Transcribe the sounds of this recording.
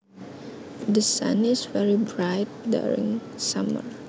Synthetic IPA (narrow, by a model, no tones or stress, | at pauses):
d̪əsʌ̰̃nɪsvɛɹibɹaɪt̚dṵɹɪ̰̃ŋ | sʌmə̰ɹ